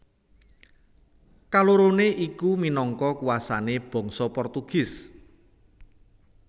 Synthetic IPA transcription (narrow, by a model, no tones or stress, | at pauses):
kaloɾoneʔikuminɔŋkɔkuwasaneb̥ɔ̤ŋsɔpɔrt̪uɡ̥ɪ̤s